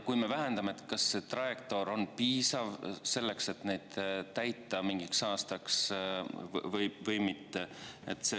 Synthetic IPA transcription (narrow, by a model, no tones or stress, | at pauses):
kujme̞væɦend̪ɑmeet̪kɑsːe̞t̪rɑekt̪o̞ɾo̞npiːsɑvse̞lːe̞kse̞t̪ne̞jd̪̥t̪æjt̪ːˑɑmiŋɡiksɑːst̪ɑks | vɤjvɤjmit̪ːeet̪ːˑse